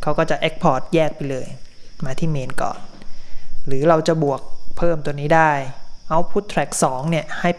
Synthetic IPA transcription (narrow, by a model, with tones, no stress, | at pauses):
kʰa˦˥wkɔː˥˩t͡ɕa˨˩ʔe˦˥k̚pʰɔː˦˩t̪̚jɛː˥˩k̚pa˧jlɤː˧jmaː˧t̪ʰiː˥˩meː˧nkɔ̰ː˨˩n | ɾɯː˩˦ɾa˧wt͡ɕa˨˩bu˨˩ək̚pʰɤː˥˩mt̪u˧əniː˦˥daː˥˩jʔa˦˥wpʰuː˥˩t̪ʰːɾɛ˨˩k̚sɔː˩˦ŋni˥˩əha˥˩j